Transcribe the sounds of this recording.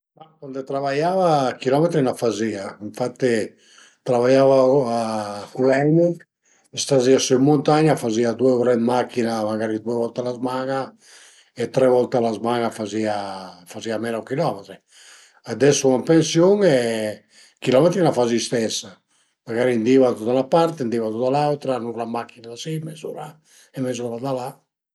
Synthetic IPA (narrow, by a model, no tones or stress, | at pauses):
makwand̪et̪ɾavajavakilɔmet̪ɾinafaziaiɱfat̪ːe | t̪ɾavajavaakulɛni | est̪aziasuimːont̪aɲafaziad̪ueuɾɛmmakːinamaɡaɾid̪uevɔlt̪alazmaŋa | et̪ɾɛvɔlt̪alazmaŋafaziafaziamɛnakilɔmɛt̪ɾi | ad̪ɛsuŋampensjoŋɛ | kilɔmɛt̪ɾinafazist̪ɛsːa | maɡaɾind̪iːvat̪ut̪aulnapaɾt̪end̪ivat̪ut̪alawt̪ɾanuklamakːinaðasimezuɾa | ɛmɛzuɾad̪ala